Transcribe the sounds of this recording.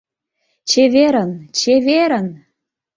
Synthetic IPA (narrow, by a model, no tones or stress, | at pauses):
t͡ɕeβeɾə̆nt͡ɕeβeɾə̆n